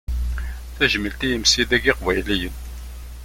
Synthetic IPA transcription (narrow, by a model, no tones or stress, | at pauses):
θæʒəmːəlt̪ijəmsid̪æɡɪqvæjlijən